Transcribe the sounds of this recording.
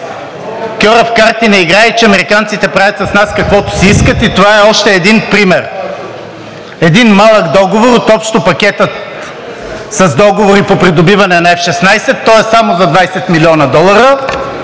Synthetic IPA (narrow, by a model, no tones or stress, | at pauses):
kʲɔɾɐfkaɾt̪inɛiɡɾait͡ʃɛɐmɛɾikant̪sit̪ɛpɾavʲɐt̪sɐsnaskɐkvɔt̪ʊ̥siiskət̪it̪ovaɛɔʃt̪ɛːd̪inpɾimɛɾ | ɛd̪inmalˠəkd̪ɔɡovoɾot̪ɔpʃt̪opɐkʲɛt̪ət̪ | sɐzd̪ɔɡovoɾipopɾid̪obivɐnɛnɐɛfʃɛsnajsɛt̪ːɔɛsamozɐd̪vajsɛt̪milʲiɔnɐd̪ɔlˠɐɾə